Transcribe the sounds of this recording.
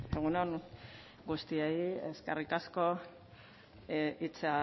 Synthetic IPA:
eɣunon | ɡust̪iejḛskerikasko̞ | it͡sa

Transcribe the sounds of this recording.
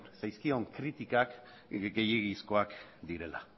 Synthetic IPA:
nsajskio̞ŋkɾit̪ikak | ɡe̞jiɣisko̞akd̪iɾe̞la̰

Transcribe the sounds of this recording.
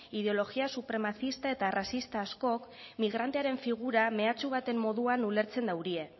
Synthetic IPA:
iðe̞o̞lo̞ɣiasupɾe̞maθist̪ae̞t̪arasist̪aːsko̞k | miɣ̞ɾant̪eaɾe̞ɱfiɣ̞uɾame̞at͡suβ̞at̪e̞mːo̞ðuanule̞ɾt͡se̞nd̪awɾie̞

